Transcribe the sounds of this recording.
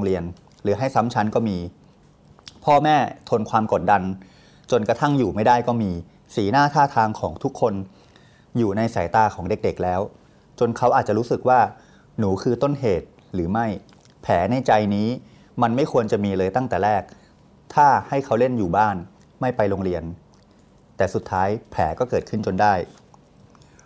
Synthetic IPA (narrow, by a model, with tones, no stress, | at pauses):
o˧ŋɾi˧ən | ɾɯː˩˦ɦa˥˩jsa˦˥mt͡ɕʰa˦˥nkɔː˥˩miː˧ | pʰɔː˥˩mɛː˥˩t̪ʰo˧nkʰwaː˧mko˨˩t̪̚da˧n | t͡ɕo˧nkɾa˧t̪ʰa˥˩ŋjuː˨˩ma˥˩jda˥˩jkɔː˥˩miː˧ | siː˩˦naː˥˩t̪ʰaː˥˩t̪ʰaː˧ŋkʰɔ̰ː˩˦ŋt̪ʰu˦˥kʰːo˧n | juː˨˩na˧jsa˩˦jt̪aː˧kʰɔː˩˦ŋde˨˩k̚de˨˩k̚lɛː˦˥w | t͡ɕo˧nkʰa˦˥wʔaː˨˩t̪̚t͡ɕa˨˩ɾuː˦˥sɯ˨˩k̚waː˥˩ | nuː˩˦kʰɯː˧t̪o˥˩nɦeː˨˩t̪̚ | ɾɯː˩˦ma˥˩j | pʰɛː˩˦na˧jt͡ɕa˧jniː˦˥ | ma˧nma˥˩jkʰu˧ənt͡ɕa˨˩miː˧lɤː˧jt̪a˥˩ŋt̪ɛː˨˩ɾɛː˥˩k̚ | t̪ʰaː˥˩ha˥˩jkʰa˦˥wle˥˩njuː˨˩baː˥˩n | ma˥˩jpa˧jlo˧ŋɾi˧ən | t̪ɛː˨˩su˨˩t̪ʰːaː˦˥jpʰɛː˩˦kɔː˥˩kɤː˨˩t̪̚kʰɯ˥˩nt͡ɕo˧ndaː˥˩j